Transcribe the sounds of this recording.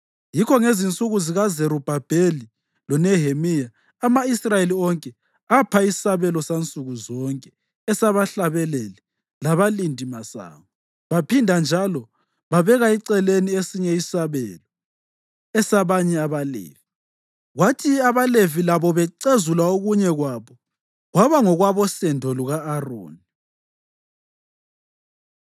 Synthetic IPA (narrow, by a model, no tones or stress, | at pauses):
jikʰɔŋezint͡sʼuɣuziɣazeɾub̥ʱab̥ʱeli | lɔnɛɦemijaː | maisrajeliɔŋkʼɛ | apʰai̥saβɛlɔsant͡sʼuɣuzɔŋkʼɛ | ɛsaβaɬaβɛlɛlɛ | laβalindʱimasa̰ːβɔ | βapʰindʱand͡ʒʱalɔ | βaβɛɣaiǀɛleniesiɲɛisaβɛlɔ | ɛsaβaɲɛaβalḛːvi | ɣwatʰiaβalevilaβɔβɛǀezulaoɣuɲɛɣwaβɔ | ɣwaβaŋɔɣwaβɔsɛndʱɔluɣaːro̰ːni